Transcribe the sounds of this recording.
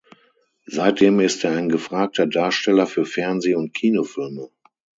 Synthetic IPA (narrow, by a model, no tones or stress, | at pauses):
zaɪt̚d̥eːmɪsteːɐaɪnɡəfʁ̥aːk̚tʰɐdaːɐʃtɛlɐfyːɐfɛɐnzeːʊnt̚kʰiːnofɪlmə